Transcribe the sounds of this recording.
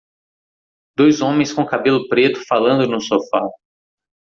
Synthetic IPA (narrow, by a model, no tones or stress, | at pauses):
d̪ojzõmẽj̃skõkabelʊpɾet̪ʊ̥falɐ̃nd̪ʊnʊsofa